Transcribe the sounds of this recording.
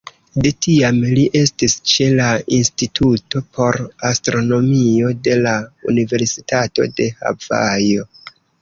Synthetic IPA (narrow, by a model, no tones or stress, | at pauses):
de̞tiamliʔe̞stist͡ʃe̞lainstitʰuto̞pʰo̞ɾastɾo̞no̞mio̞de̞laṵnive̞ɾsi̥tato̞̰de̞ha̰va̰jo̞